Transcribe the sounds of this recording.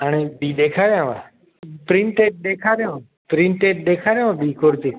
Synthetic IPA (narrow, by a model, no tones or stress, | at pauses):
əneːbiːɗ̪eːkʰaːɾjãːʋa̰ | pɾɪ̃ɳʈeːʈ̚ɗ̪eːkʰaːɾjãː | pɾɪ̃ɳʈeːʈ̚ɗ̪eːkʰaːɾjãːãːbiːkoːɾt̪iː